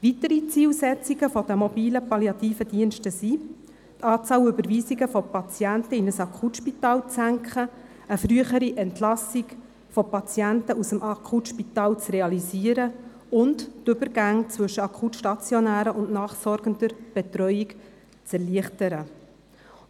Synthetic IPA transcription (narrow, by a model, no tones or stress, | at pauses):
ʋit̪əɾit͡siːlsɛt͡siɡəfɔd̥̪əmɔbiːləpɑljɑt̪iːfədiənʃtəsi | tʰɑːt͡sɑːwʏbəɾʋiːziɡəfɔpɑt͡sjænt̪əinəsɑkʰχutʃpitɑːlt͡sæŋkχə | əfɾyəχəɾiʔɛntlɑsiɡ | fɔpɑt͡sjænt̪əusəmʔɑkʰutʃpit̪ɑːlt͡srɛɑlisiəɾə | ʊnttʏbəɾɡæŋt͡svɵʃəɑkχutʃtɑt͡sjɔnæːɾəʔʊnnɑːχsɔɾɡ̥ənd̪əɾb̥ɛt̪ɾœʏik | t͡sɛɾliəχtəɾə